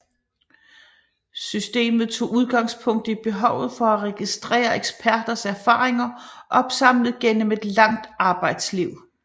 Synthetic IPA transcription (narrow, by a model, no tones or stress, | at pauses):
sysd̥e̝̰ːmð̞̩ˠt͡sʰo̝̰ːuð̞ˠɡ̥ɑ̈ŋspʰɔ̽ŋ̰d̥əib̥e̝ɦɒʊð̞̩ˠfɒ̽æʁɛɡ̥isd̥ʁɛ̰ːɐeɡ̥sb̥ʰæɐd̥ɐsæɐfɑ̰̈ːʁeŋɐʔɒ̽b̥sɑ̈m̰ləð̞̩ˠɡ̥enəme̝d̥lɑ̈ŋ̰d̥ɑ̈ːb̥ɑ̈ɪd̥sliʊ̰